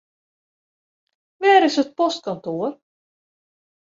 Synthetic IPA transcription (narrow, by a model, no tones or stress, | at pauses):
ʋɛːɾɪsət̚pɔst̚kɔntoər